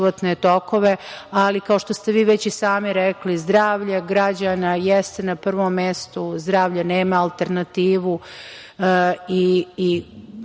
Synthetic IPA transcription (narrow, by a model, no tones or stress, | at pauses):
ʋot̪net̪o̞ko̞ʋe̞alikao̞ʃt̪o̞st̪e̞ʋiːʋet͡ɕisaːmiɾeklizd̪ɾaːʋʎaɡɾad͡ʑanajest̪enapr̩ʋomːest̪uzd̪ɾaːʋʎaneːmaːlˠt̪eɾnat̪iːʋu | iː